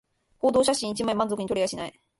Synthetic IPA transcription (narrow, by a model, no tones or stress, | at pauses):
ko̞ːd̪o̞ːɕaɕĩit͡ɕimaimãnzo̞kɯ̟ɲit̪oɾʲijaɕinai